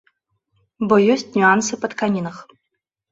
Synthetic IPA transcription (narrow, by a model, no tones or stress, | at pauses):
bojɔsʲtʲnʲuansɨpɐt̪kanʲinɐx